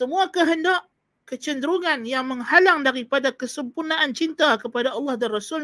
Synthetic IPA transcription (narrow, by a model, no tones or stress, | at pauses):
səmuakəɦəndaʔ | kət͡ʃəndəɾuŋanjaŋməŋhalaŋdaɾipadakəsəmpurnaʔant͡ʃint̪akəpadaɑlːɑhdanrasul